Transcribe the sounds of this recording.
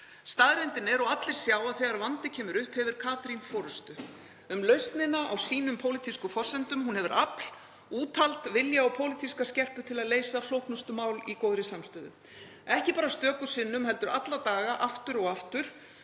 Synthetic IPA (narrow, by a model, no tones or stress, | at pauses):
st̪aðɾɛnt̪ɪnɛɾɔwat̪lɪɾ̥sjaːwaθɛːɣaɾvant̪ɪcʰɛːmʏɾʏhphɛvɪɾ̥kʰaːt̪ɾinfɔːɾʏst̪ʏ | ʏmlœɥst̪nɪnaʔawsiːnʏmpʰowlit̪ʰiskʏfɔr̥sɛnt̪ʏmɦunhɛvʏɾʔapl̥ | uːt̪ʰalt̪vɪljaːwpʰowlɪt̪ʰiskascɛr̥pʏt̪ʰɪlaðleːjsaflowhk̪nɔst̪ʏmaːwlikowðɾɪsamst̪œːðʏ̰ | ɛhcɪpaːɾast̪œːkʏ̥sɪnːʏmhɛl̪t̪ʏɾat̪lat̪aːɣaʔaft̪ʏɾɔɣaft̪ʏɾ̥